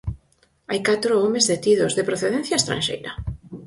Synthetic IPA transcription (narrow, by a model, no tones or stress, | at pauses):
ajkat̪ɾoɔmezðet̪ið̞ozðepɾoθeð̞ẽn̟θjaest̪ɾã̰nʲʃḛjɾɐ̰